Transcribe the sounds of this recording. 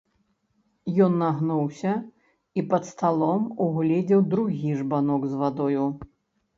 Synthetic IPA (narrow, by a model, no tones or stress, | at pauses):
jɔnːaɣnuwsʲɐ | ipɐt̪st̪alˠɔmuɣlʲɛd͡zʲɛwd̪ɾuɣʲiʐbanɔɡzvad̪ɔju